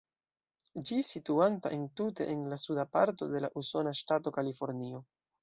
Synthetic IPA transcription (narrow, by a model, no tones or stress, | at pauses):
d͡ʒisituantaʔentute̞̰ʔenlasudapa̰ɾto̞̰de̞laʔuso̞naʃtato̞kalifo̞ɾnio̞